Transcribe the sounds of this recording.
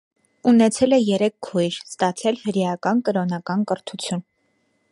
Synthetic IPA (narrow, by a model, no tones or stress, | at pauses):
unɛt͡sʰɛlɛjɛɾɛkkʰːujɾst̪ɑt͡sʰɛlhəɾjɑkɑnkəɾɔnɑkɑnkəɾt̪ʰut͡sʰjun